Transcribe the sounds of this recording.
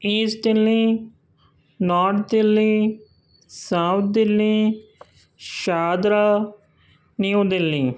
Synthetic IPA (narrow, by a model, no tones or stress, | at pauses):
iːsʈelːĩː | naːɾʈd̪elːiː | sãʊt̪̚ʰd̪elːĩː | ʃaːd̪ɾaː | nijũːd̪elːĩː